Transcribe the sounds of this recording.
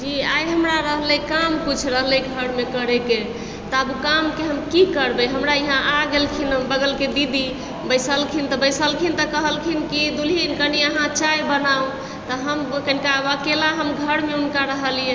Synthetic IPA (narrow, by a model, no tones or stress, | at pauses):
d͡ʒiajɦəmɾaɾəɦlɛjkamput͡ʃʰɾəɦlɛjɡʱəɾmekəɾeke | t̪abukamkeɦəmkikəɾbeɦəmɾaiɦãʔaɡelkʰinəbəɡəlked̪id̪i | bəjsəlkʰint̪ɔbəjsəlkʰint̪əkəɦəlkʰinkid̪ulinkəniəɦãt͡ʃajbənaũ | t̪əɦəmkənkaʋakelaɦəmɡʱəɾmeunkaɾəɦəlije